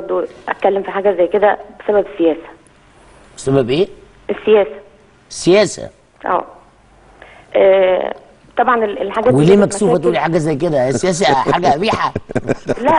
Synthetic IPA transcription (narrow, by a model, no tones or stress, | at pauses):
ɑɾˤd̪ˤoʔæt̪̚kælːemfiħaːɡæzæjked̪æbesæbæbesːejæːsæ̥ | b̥esæbæbʔeː | esːejæːsæ̥ | esːejæːsæ̰ | ʔæ̰ː | ʔæ̰ː | t̪ˤɑbʕɑnelḛlħaɡæːweliiːmmæksuːfæt̪uːliħaːɡæzæjk̬ed̪ææsːejæːs̬æħaːɡæʔæbiːħa | l